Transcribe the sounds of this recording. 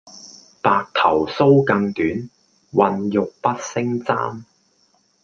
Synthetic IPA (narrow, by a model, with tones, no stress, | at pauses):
paː˨k̚t̪ʰɐ˨˩wso˥wkɐ˧ŋt̪yː˨˥n | wɐ˧njʊ˨k̚pɐ˥t̚sɪ˥ŋt͡sa̰ː˥m